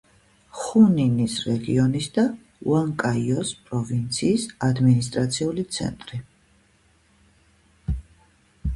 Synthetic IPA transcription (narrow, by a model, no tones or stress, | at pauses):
χuninisɾɛɡḭɔnisd̪a | ṵaŋkʼaiɔspʼɾɔvint̪sʰiːsad̪minist̪ʼɾat̪sʰiulit̪sʰɛ̰nt̪ʼɾi